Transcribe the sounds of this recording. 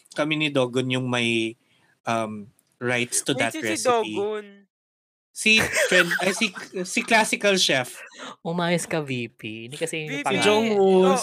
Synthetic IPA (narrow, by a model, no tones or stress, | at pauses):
kɐminɪd̪oːɡonjʊŋmɐj | ʔɐm | ɹajt̪st̪ʊd̪ɐtɹɛson | sifɹɛnd̪ɐjsisɪklasɪkɐlʃɛfʔʊmaːjɐskɐviːpind̪ɛkɐsɛd͡ʒoŋwus